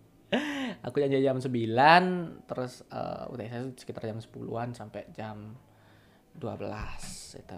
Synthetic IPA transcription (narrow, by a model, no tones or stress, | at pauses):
a̰kud͡ʒaɲd͡ʒad͡ʒamsəbilant̪əɾʊsə̰ṵt̪asasə̥kit̪ard͡ʒamsə̥pulṵansampɛd͡ʒam | dua̰bəlasḭt̪u